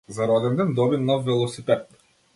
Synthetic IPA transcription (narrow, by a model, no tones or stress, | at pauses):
zaɾɔd̪ɛnd̪ɛnd̪ɔbinɔfːɛlˠɔsipɛt̪̚